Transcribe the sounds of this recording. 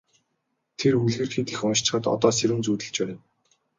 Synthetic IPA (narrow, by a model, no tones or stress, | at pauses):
t̪ʰerxuɮxeːrxiːt̪ĭxʊnʃt͡ɕ̆χə̆t̪ɔ̰t̪ɔːseɾɘ̆nt͡suːt̪ɘ̆ɬt͡ɕpæːɾĕn